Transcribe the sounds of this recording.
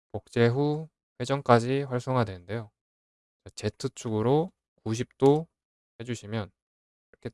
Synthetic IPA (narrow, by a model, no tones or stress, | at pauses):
pok̚t͡ɕ͈e̞ɸu | ɸwe̞d͡ʑʌŋk͈ad͡ʑiɸwaɭs͈oŋɦadwe̞nɯnde̞jo | t͡ɕat͡ɕe̞tʰɯt͡ɕʰuɡɯɾo | kuɕ̬ʰip̚t͈o | he̞d͡ʑuɕʰimjʌn | ɾʌkʰe